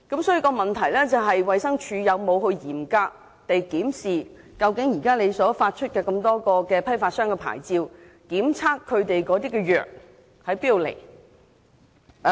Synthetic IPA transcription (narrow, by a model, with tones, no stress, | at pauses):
kɐ˨˥msɔː˨˥jyː˧kɔː˧mɐ˨nt̪ʰɐ˨˩jlɛː˥t͡sɐ˨wɦɐ˨jwɐ˨jsɐ˥ŋt͡ʃʰyː˨˧jɐ˨˧wmo˨˧whɵ˧ɥjiː˨˩mkaː˧k̚ | t̪e˨jkiː˨˥msiː˨˩ | kɐ˧wkɪ˨˥ŋjiː˨˩kaː˥nle˨˧jsɔː˨˥faː˧t̚t͡ʃʰɵ˥t̚kɛː˧kɐ˧mt̪ɔː˥kɔː˧kɛː˧pʰɐ˥jfaː˧t̚sœː˥ŋkɛ˧pʰa̰ː˨˩jt͡siː˧w | kiː˨˥mt͡sʰaː˥kʰːɵ˨˧ɥt̪e˨jkɔː˨˥t̪̬iː˥kɛː˧jœː˨k̚ | hɐ˨jpiː˥i˨˧wlḛ˨˩j